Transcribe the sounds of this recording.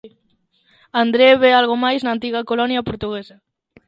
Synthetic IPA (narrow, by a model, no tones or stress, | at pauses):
and̪ɾeβealɣomajznant̪iɣɐkolɔnjɐpoɾt̪uɣesɐ